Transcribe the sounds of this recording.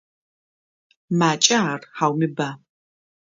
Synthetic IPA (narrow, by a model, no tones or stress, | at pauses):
maːt͡ʃʼɐarħaːwmɪba